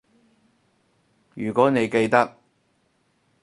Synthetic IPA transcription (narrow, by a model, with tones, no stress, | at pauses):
jyː˨˩kʷɔː˨˥ne˨˧jke˧jt̪ɐ˥k̚